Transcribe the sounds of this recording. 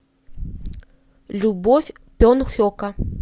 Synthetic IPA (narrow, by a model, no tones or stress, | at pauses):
lʲubɔfʲ | pʲɔnuxʲɔkɐ